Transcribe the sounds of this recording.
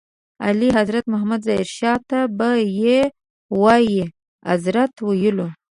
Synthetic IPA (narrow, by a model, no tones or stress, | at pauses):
a̰liɦazɾat̪mʊɦamad̪zɑiɾʃɑt̪abaje | wɑji | a̰zɾat̪wajəlo